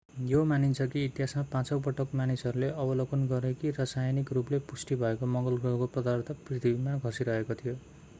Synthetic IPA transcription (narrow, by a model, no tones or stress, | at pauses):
jomanint͡sʰʌkiːt̪jɦasmapãt͡sʌwpʌʈʌkmanisʌɾuleʔʌbʌlokʌnɡʌɾekirasajnikruplepusʈibʱʌekomʌŋɡʌlɡʌkoprʌd̪ʌrt̪ʰʌprit̪ʰibimaɡʱʌsiɾʌɦekot̪ʰijo